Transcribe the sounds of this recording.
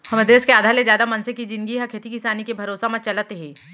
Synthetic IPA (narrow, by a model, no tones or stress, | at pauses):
hɐməd̪ɾeːskeaːd̪ʱaːɾlezjaːd̪amɐnsekid͡ʒɪ̃nɡiɦɐkʰeːt̪ikɪsaːnikebʱɐɾoːsamɐ̃t͡ʃɐlət̪ɦɛ̃ː